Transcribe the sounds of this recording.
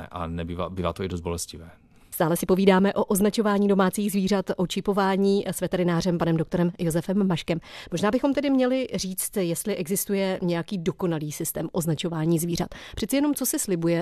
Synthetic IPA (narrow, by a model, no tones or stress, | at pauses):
ʔa̰nɛbiːva̰ːbiːvaːt̪oɪdozt̪bolɛscɪvɛː | st̪aːlɛsɪpo̞viːdaːmɛʔo̞ʔo̞znat͡ʃo̞vaːɲiːdo̞maːt͡siːɣzviːrat̪ʔo̞t͡ʃɪpo̞vaːɲiːsvɛt̪ɛɾɪnaːrɛmpanɛmdokt̪o̞ɾɛmjo̞zɛfɛmːaʃkɛmmoʒnaːbɪxo̞mt̪ɛdɪmɲɛlɪr̝iːt͡st̪jɛst̪lɪʔɛɡzɪst̪ujɛɲɛjakiːdo̞ko̞naliːsɪst̪ɛ̰ːmʔo̞znat͡ʃo̞vaːɲiːzviːr̝a̰t̪pr̝̥ɛtt͡sɪjɛno̞mt͡so̞sɪslɪbujɛ